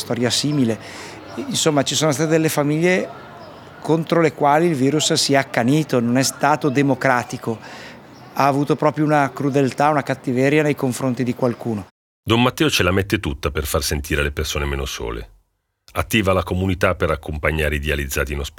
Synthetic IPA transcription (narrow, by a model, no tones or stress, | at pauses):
st̪ɔːɾjasiːmile | insomːat͡ʃisoːnost̪aːt̪ed̪elːefamiʎːe | kʰont̪ɾolekwaːliːlviːɾussiɛakːaniːt̪ononɛst̪aːt̪od̪emokɾaːt̪iko | aːvuːt̪opɾɔːpɾjounakɾud̪elt̪aunakat̪ːivɛɾjanejkoɱfɾont̪id̪ikwalkuːno | d̪ɔmːat̪ːɛːot͡ʃelamet̪ːet̪ut̪ːaperfarsent̪iːɾelepersoːnemeːnoso̰ːlḛ | at̪ːiːvalakomunit̪apeɾakːompaɲːaːɾeid̪ealid̪zːaːt̪iːnosp